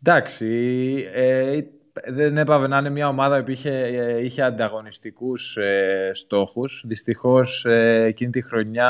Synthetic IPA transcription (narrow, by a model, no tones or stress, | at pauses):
d̪ɐksi | e | ðene̞pɐve̞nɐinemɲɐo̞mɐðɐopiiçeiçe̞ɐnd̪ɐɣo̞nist̪ikusest̪o̞xusðist̪ixo̞seːcinit̪ixɾo̞ɲɐ